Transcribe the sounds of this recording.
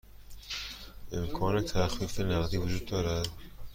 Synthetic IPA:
ʔemkʰɒːnet̪ʰæxfiːfenæʁziːvud͡ʒuːd̪̚ːɒːɾæd̪

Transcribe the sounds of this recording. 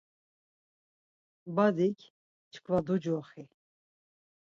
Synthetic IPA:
bad̪ikʰ | t͡ʃkʰvad̪ud͡ʒɔχi

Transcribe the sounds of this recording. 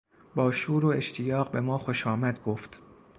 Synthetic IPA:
bɒːʃuːɾoeʃt̪ʰijɒːɢbe̞mɒːxoʃɒːmæd̪ɡoːft̪

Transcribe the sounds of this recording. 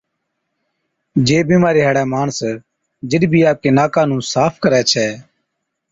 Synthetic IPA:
d͡ʒeːbiːmaːɾeːɦəːɽɛːmaːɳs | d͡ʒɪɗbʱiːaːp̚keːnaːkãːnũːsaːpʰkəɾɛːt͡ʃʰɛː

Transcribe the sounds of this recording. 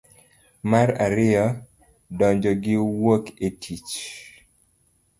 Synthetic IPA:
maɾaɾɪjɔ | dɔɲd͡ʒɔɡɪwoketʰit͡ʃ

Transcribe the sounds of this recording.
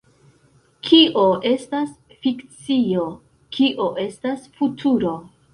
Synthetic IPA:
kʰiʔo̞ʔe̞stas | fikt͡sio̞ | kʰiʔo̞ʔe̞stasfutʰuɾo̞

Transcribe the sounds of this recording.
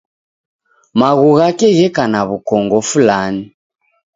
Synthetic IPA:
maɣuɣakɛɣɛkanaβukɔŋɡɔfulani

